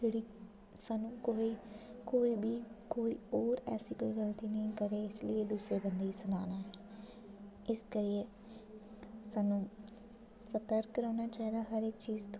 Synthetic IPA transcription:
d͡ʒeːɽiː | saːnũːkoːiːkoːiːbiːkoːiːoːɾɛ̰ːsiːkoːiːɡəlt̪iːnəĩkəɾeːɪslieːd̪usɾeːbənd̪eiːsənaːnaːɛː | ɪskəɾieː | saːnũː | sət̪əɾkɾaːnaːt͡ʃaːɦiːd̪aːɦəɾekt͡ʃiːzt̪

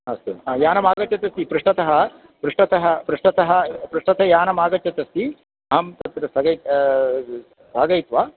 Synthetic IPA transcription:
ɐst̪uajaːnɐmaːɡɐt͡ʃɐt̪ɐst̪ipɾuʂʈɐt̪ɐɦɐ̆ | pɾuʂʈɐt̪ɐɦɐpɾuʂʈɐt̪ɐɦɐpɾuʂʈɐt̪ɐjaːnɐmaːɡɐt͡ʃɐt̪ɐst̪i | ɐɦɐmt̪ɐt̪ɾɐsɐɡɐj̪ | saːɡɐjt̪ʋa

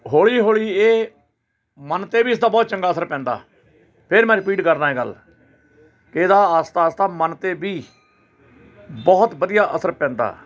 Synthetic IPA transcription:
ɦoːɭiːɦoːɭiːeː | mənt̪eːbiːsd̪aːbɔːt̪̚t͡ʃə̃ŋɡaːəsəɾpɛ̃ːnd̪a̰ː | pʰɪɾmɛ̃ːɾɪpiːʈkəɾnãːɦɛːɡə̰l | kɪɪd̪aːəst̪aːst̪aːmənt̪eːbiː | bɔːt̪bəd̪ijaːʔəsəɾpɛ̃ːnd̪a̰ː

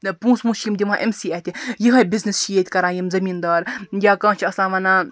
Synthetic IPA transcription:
pũːsmũːʃjimd̪ʲiʋãːʔemsiːɛt̪ʲijiɦɐbiznist͡ʃijet̪ʲkɐɾaːjimzɐmiːnd̪ɐːɾjaːkãːt͡ʃʰiɐsãːʋɐna

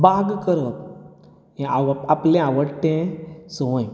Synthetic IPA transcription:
baɡkəɾət̪̚ | eaaplẽaʋəɽʈːẽsə̃j̃

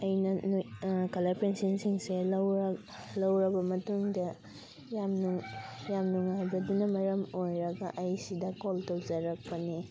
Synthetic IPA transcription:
ɐjnɐnkɐlapensinsiŋselɐwɾɐ | lɐwɾɐbɐmɐtuŋdɐ | jamnujamnuŋajbɐdunɐmɐɾɐmojɾɐɡɐʔɐjsidɐkoltowd͡ʒɐɾɐk̚pɐni

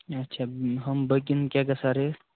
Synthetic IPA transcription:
ɐtːt͡ʃʰaɦəmbəkinkʲjakəsaɾe

